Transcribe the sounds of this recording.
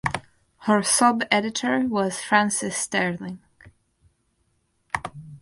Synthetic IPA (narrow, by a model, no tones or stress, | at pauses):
hə˞sʌbɛɾɨɾʰə˞wʌz̥fɹæ̃nsɪstɛɹlɪ̃ŋ